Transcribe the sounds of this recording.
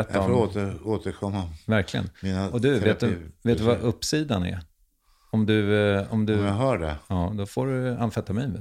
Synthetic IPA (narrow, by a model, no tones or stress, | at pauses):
ɛt̪ːafɔot̪əoːt̪əɾkʰɔmːavæɾklɪɡə̰nminaɔd̪ɵveːtt̪d̪veːt̪ːvaʔɵpːsiːd̪anæ̰ɾ | ɔmd̪ɵɔmd̪ɵaɦœːɖɛ̰ɑːd̪ɔfoːɾɵanfɛt̪ːamɛ